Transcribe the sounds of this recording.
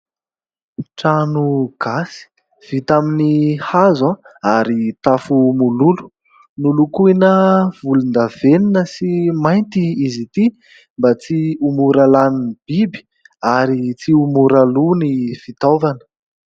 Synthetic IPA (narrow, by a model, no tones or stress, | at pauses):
ʈ͡ʂanuɡ̥asi̥ | v̥it̪aminihazãaɾit̪afumululu̥ | nulukuinəv̥ulund̪aveninəsimajnt̪iizit̪i | mbat͡siumuɾalaninib̥ibi̥ | aɾit͡siumuɾalunifit̪ovanə̥